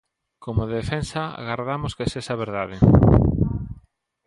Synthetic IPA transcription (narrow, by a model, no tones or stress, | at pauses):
komoðfensaa̰ɣaɾðamoskesesaβeɾðaðe